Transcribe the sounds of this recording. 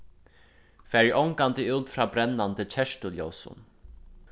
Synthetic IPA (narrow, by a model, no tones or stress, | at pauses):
fæːɹʔɔŋkant̪əʉːt̪fɾaːbɾɛnːant̪ət͡ɕʰɛʂtʊljɔwsʊ̰n